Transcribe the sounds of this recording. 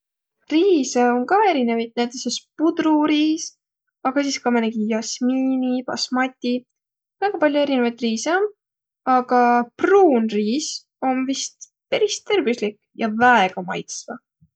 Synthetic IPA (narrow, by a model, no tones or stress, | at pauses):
riːseoŋkɑːe̞ɾine̞vɑjt̪̚næjt̪ːˑesespud̪̥ruɾiːs | ɑɡ̥ɑsiːskɑmeneɡijɑsmiːnipɑ̰smɑt̪ʲːi | væːɡ̥ɑpɑlʲjoe̞ɾine̞vɑjt̪riːseon | ɑɡ̥ɑpruːnriːs | o̞nvist̪ | peɾist̪ːerbuslik | jɑvæeɡ̥ɑmɑ̰jt̪svɑ